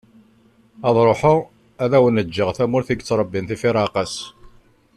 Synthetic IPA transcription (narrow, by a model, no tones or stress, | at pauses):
ɑðˤɾˤoħʊʁ | æðæwənəd͡ʒːəʁθæmʊɾθiɡt͡sːɾˤəbːinθifiɾˤɑqɑs